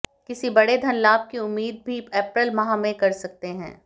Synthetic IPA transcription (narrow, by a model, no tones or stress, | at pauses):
kɪsibɐɽed̪ʱɐnlaːb̚kiʊmːiːd̪̚bʱiɛːpɾəlmɐɦãmẽkɐɾsɐk̚t̪eɦɛ̰̃ː